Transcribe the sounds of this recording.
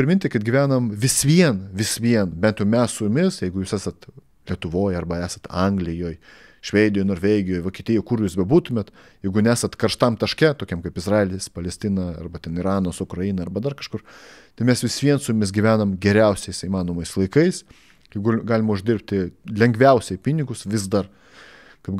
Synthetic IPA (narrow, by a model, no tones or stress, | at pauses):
pʲɾʲɪmɪnʲt̪ʲɪkɐt̪̚ɡʲɪʋʲæːnɐmʋʲɪsʋʲiɛnʋʲɪsʲʋʲiɛnbʲɛnt̪jɛʊmʲɛssʊjʊmʲɪsjɛɪɡʊjuːsʲæːsɐt̪ | lʲiɛt̪ʊʋoːjɐrbɐæːsɐt̪ɐŋɡlʲɪjoːj | ʃʲʋʲeːd̪ʲɪjoːjnoːɾʋʲɛːɡʲɪjoːjʋoːkʲiɛt̪ʲɪjɛːɪkʊɾjuːsbʲɛbuːt̪ʊmʲeːt̪ | jɛɪɡʊnʲɛæːsɐt̪kɐrʃt̪ɐmt̪ɐʃkʲɛt̪oːkʲɛmkɐɪpɪzrɑːlʲɪspɐlʲɛsʲt̪ʲɪnɐɐ̰rbɐt̪ʲɛniɾɑːnoːsʊkɾɐɪnɐɐɾbɐd̪ɐrkɐʃkʊrt̪ʲɐɪmʲɛsʋʲɪsʋʲiɛnsʊjʊmʲɪs̬ɡʲɪʋʲæːnɐmɡʲɛɾʲɛʊsʲɛɪsiːmɑːnoːmɐɪslˠɐɪkɐɪs | jɛɪɡʊɡɑːlʲɪmɐʊʒʲd̪ʲɪɾp̚ʲt̪ɪlʲɛŋɡʋʲɛʊsʲɛɪpʲɪnʲɪɡʊsʋʲɪzd̪ɐr | kɐp